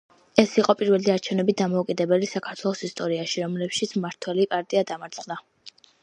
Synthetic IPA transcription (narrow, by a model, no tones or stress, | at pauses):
ɛsiqʼɔpʼiɾvɛliaɾt͡ʃʰɛvnɛbit̪̚d̪amɔukʼid̪ɛbɛlisakʰaɾt̪ʰwɛlˠɔsist̪ʼɔɾiaʃiɾɔmlɛpʃit̪sʰmaɾt̪ʰwɛlipʼaɾt̪ʼiad̪amaɾt̪sʰʼχd̪a